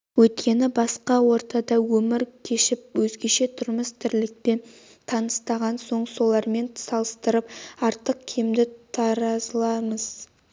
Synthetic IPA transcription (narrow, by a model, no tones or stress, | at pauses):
wɵt̪kʲe̞nɪbɑsqɑwo̞ɾt̪ɑd̪ɑwɵmɪɾkʲʰe̞ʃɪp̚wɵzɡʲe̞ʃe̞t̪ʰʊɾməst̪ʰɪɾlɪk̚pe̞n | t̪ʰɑnəst̪ɑʁɑnso̞ɴso̞lˠɑɾme̞nsɑlˠəst̪əɾəp̚ɑɾt̪əq̚kʲʰejmd̪ɪt̪ʰɑɾɑzlˠɑməz̥